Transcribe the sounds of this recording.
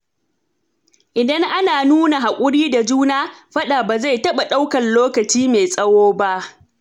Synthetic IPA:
ʔɪ˨dɐ˦ŋʔa˦naː˨nuː˦na˨ɦa˨kʷʼʊ˦ɽiː˦da˨d͡ʒuː˦naː˦ɸɐ˦ɗa˨baː˨za˦˨jtɐ˦ɓa˨ɗa˦wkɐ˨nloː˦kɐ˨t͡ʃiː˦me˨sʼɐ˦woː˦ba˦ʔ

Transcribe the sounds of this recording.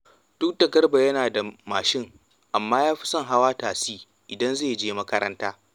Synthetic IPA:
d̥ʊ˦k̚da˨ɡɐ˦rba˨jɐ˦naː˨da˨maː˨ʃɪ˦˨ŋ | ʔa˨mːaː˦jaː˦ɸi̥˦sɐ˦ŋɦa˦waː˦taː˨siː˦ | ʔɪ˨dɐ˦nzeː˦˨d͡ʒeː˦mɐ˦kɐ˦ɾɐ˦ntaː˦

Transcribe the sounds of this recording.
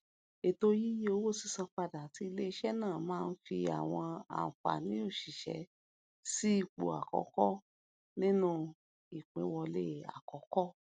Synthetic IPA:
e˨to˧ji˦jo˧wo˦˨si˧sã˧fa˧da˨ti˧˦i˧le˦i˧˦ʃɛ˦nãː˦˨mãː˦˧n̩˦fi˧a̰˨w̃ɔ̃˧a̰˨fa̰˨nĩ˨˦o˦˨ʃi˨ʃɛ̰˨˦ | si˦i˦˨k͡po̰˨a̰˨kɔ̰˨˦kɔ˦ | nĩ˦nũ˧ | i˨k͡pẽ˨˦wɔ˧lḛ˦a̰˨kɔ˨˦kɔ˦

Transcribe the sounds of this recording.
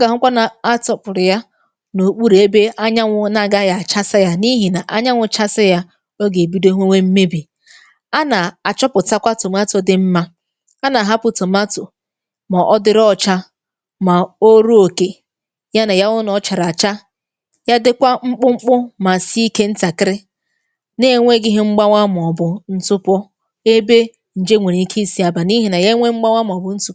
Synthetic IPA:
a˦ɡa˨ɦʊ˦kʷa˦na˨a˦tɔ˨pʊ˨ɾɪ˨ja˦ | no˨k͡pu˦ɾe˨e˦be˦a˦ɲa˦ŋʷʊ˦na˨ɡa˦ja˨t͡ʃa˦sɪ˦ja˦ni˦ɦi˨na˨ʔa˦ɲa˦ŋʷʊ˦t͡ʃa˦sɪ˦ja˦ | o˦ɡe˨bi˦de˦ɦʷe˦ŋʷe˦m̩˦me˦bi˨ | a˦na˨a˨t͡ʃɔ˦pʊ˨ta˦kʷa˦tʊ˨m˦a˦tʊ˨dɪ˦m̩˦ma˦ | a˦na˨ɦa˦pʊ˨to˨ma˦tʊ˨ | ma˨ʔɔ˦dɪ˦ɾɔ˦˨t͡ʃa˦ | ma˨o˦ɾo˦o˨ke˨ | ja˦na˨ja˦ʊ˦nɔ˨˦t͡ʃa˨ɾa˨t͡ʃa˦ | ja˦dɪ˦kʷa˦ŋ͡m̩˦k͡pʊ˦ŋ͡m̩˦k͡pʊ˦ma˨si˦i˦ke˦n̩˦ta˨kɪ˦ɾɪ˦ | ne˦ŋʷe˦ɡɪ˦ɦɪ˦ŋ͡m̩˦ɡ͡ba˦ŋʷa˦m˨ɔ˨bʊ˨n̩˦tʊ˦pɔ˦ | e˦be˦ | n̩˨d͡ʒe˦ŋʷe˨ɾi˨i˦kʰi˦si˦a˨ba˨ni˦ɦi˨na˨je˦ŋʷe˦ŋ͡m̩˦ɡ͡ba˦ŋʷa˦m˨ɔ˨bʊ˨n̩˦tʊ˦

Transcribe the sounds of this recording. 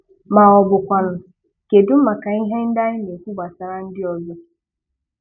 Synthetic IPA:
ma˨ɔ˨bʊ˨kʷa˨nʊ˨ | ke˨dʊ˦m̩˦ma˨ka˨i˦ɦe˦n̩˦da˦ɲɪ˦ne˨kʷu˦ba˨sa˨ɾa˦n̩˦dɪ˦ɔ˨zʊ˦

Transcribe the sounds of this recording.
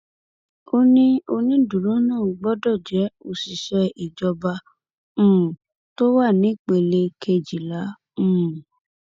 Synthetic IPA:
o˧nĩ˦o˧nĩ˧du˨ɾõ˦nãː˦˨ɡ͡bɔ˦dɔ˦˨d͡ʒɛ˨˦o˧˨si˨ʃɛ˧i˨d͡ʒɔ˧bã˧˦˨ | to˦wa˦˨nĩ˨˦˨k͡pe˧le˧kʰe˧d͡ʒi˨lã˨˦˨

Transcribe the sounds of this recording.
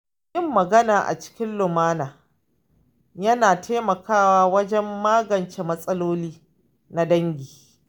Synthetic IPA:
jɪ˦mːɐ˨ɡɐ˦naː˨ʔa̰˨t͡ʃɪ̥˦kʲɪ˦nlʊ˨maː˦naː˨ | jɐ˦naː˨tʰeː˦mɐ˨kaː˦waː˦wɐ˦d͡ʒɛ˦mːaː˦ɡɐ˨nt͡ʃeː˨mɐ˦sʼɐ˦loː˦liː˦ | na˦dɐ˦ŋɡʲiː˨

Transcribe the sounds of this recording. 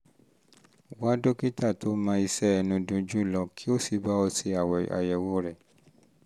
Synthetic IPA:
wa˦do˦ki˦ta˦˨to˦mã˧˦i˧sɛ˦ɛ˧nũ˧dũ˧d͡ʒũ˦lɔ˧kʰi˦o˦si˨˧ba˦ɔ˧si˧a˨wa̰˨jɛ˨wo˦ɾɛ˦˨

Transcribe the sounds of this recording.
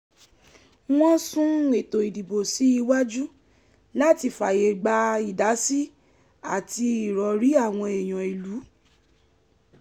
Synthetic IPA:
w̃ɔ̃˦sũ˦e˨to˨i˨di˨bo˨si˨˦i˧wa˦d͡ʒu˦ | la˦˨ti˧fa˨je˨ɡ͡ba˧i˨da˨˦si˦ | a˦˨ti˧i˨ɾɔ˨˦ɾi˨˦a˦˨w̃ɔ̃˧e˨j̃ɔ̃˨i˨lu˨˦

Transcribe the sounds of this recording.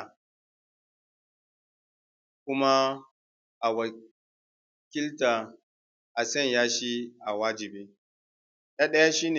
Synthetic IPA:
kʷʊ˦ma˦ | ʔa˨wa˨ | kʲɪ˦ltaː˨ | ʔa˨sɐ˦˨ɲjaː˦ʃiː˦ʔa˨waː˦d͡ʒɪ˨beː˦ | ɗa˦ɗɐ˦ja˦ʃiː˦ne˨

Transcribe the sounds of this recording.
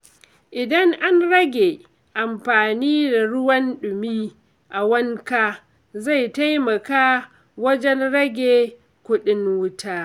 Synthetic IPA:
ʔɪ˨dɐ˦ŋʔa˦nɾɐ˦ɡʲe˨ | ʔa˨mɸaː˨niː˦da˨ɽʊ˦wɐ˦nɗʊ˨miː˦ | ʔa˨wɐ˦ŋka˦ | za˦˨jta˦jmɐ˨kaː˦ | wɐ˦d͡ʒɛ˦nɽɐ˦ɡʲeː˨ | kʷʊ˦ɗɪ˦nwʊ˦tʰaː˦

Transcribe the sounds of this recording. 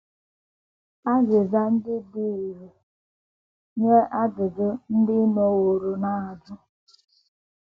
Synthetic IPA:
a˦zɪ˨za˦n̩˦dɪ˦bi˦˨ɾe˨ | ɲe˦ʔa˦dʊ˨dʊ˦n̩˦dɪ˦no˦wo˨ɾo˨na˦˨a˨d͡ʒʊ˦

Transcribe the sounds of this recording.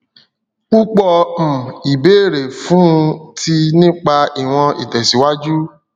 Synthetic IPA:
k͡pu˦k͡pɔ˧m̩̃˨i˨be˨˦˨ɾe˨fũ˨˦˧tʰi˧nĩ˦k͡pa˧i˨w̃ɔ̃˧ḭ˨tɛ˨si˨˦wa˦d͡ʒu˦

